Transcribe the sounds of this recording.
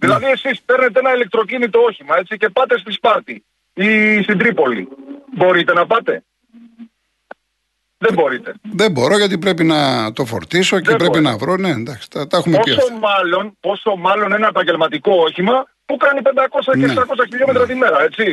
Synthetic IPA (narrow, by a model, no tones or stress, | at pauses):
ðilɐðie̞sispe̞ɾne̞t̪eenɐilek̚t̪ɾo̞cinit̪o̞o̞çimɐe̞t͡sice̞pɐt̪e̞st̪ispɐɾt̪i | ist̪ind̪ɾipo̞lḭbo̞ɾit̪e̞nɐpɐt̪e̞ | ðe̞mbo̞ɾit̪e̞̰ðembo̞ɾo̞ʝɐt̪̬ipɾe̞p̬inɐt̪o̞fo̞̰ɾt̪iso̞cepɾepinɐvɾonend̪ɐksi̥t̪ɐt̪ɐexumeosomɐlo̞npo̞so̞mɐlo̞ninɐepɐɲɟe̞lmɐt̪iko̞oçimɐ | pukɐnipend̪ɐko̞sɐneeesɐko̞s̬ɐçiʎomet̪ɾɐt̪ime̞ɾɐe̞t͡si